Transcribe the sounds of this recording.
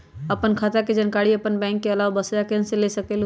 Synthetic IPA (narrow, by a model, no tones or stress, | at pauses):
əpənkʰaːt̪ʰaked͡ʒənkaːɽiəpənbɛ̃ːŋkːeɐlaːʋabəsjakenselesəkel